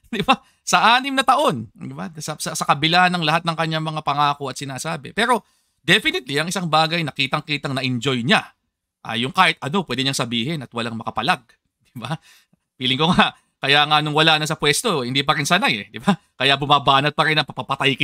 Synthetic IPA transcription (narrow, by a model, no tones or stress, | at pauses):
d̪ɪba | sɐʔaːnɪmnɐt̪ɐʔo̞nd̪ɪbasɐsɐsɐkɐbɪlaːnːɐŋlɐhat̪̚nɐŋkɐɲːaŋmɐŋapɐŋaːko̞ɐt̪sɪnaːsaːbɛ̰pɛːɾo̞ | d̪ɛfɪnɪt̪̚liɐŋɪsaŋbaːɡɐjnɐkiːt̪ɐŋkiːt̪ɐŋnɐʔɪnd͡ʒo̞jɲa | ʔa̰jʊŋkaːhɪt̪̚ʔɐno̞pwɛːd̪ɛɲaŋsɐbiːhɪnɐt̪̚wɐlaŋmɐkɐpɐlaɡ̚ | d̪̥ɪba | piːlɪŋkoŋaʔ | kɐjaːŋɐnoŋwɐlaːnɐsɐpwɛst̪o̞hɪnd̪ipɐɾɪnsaːnaɛd̪ɪba | kɐjabʊmaːbaːnɐd̪̚pɐɾɪnːɐpɐpɐpɐt̪ajk